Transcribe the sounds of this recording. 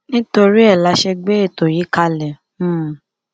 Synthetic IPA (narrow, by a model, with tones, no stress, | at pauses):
nĩ˦to˧ɾi˦ɛ˦˨la˧ʃe˧ɡ͡be˦e˦˨to˨ji˨˦ka˧lɛ̃˨˦˨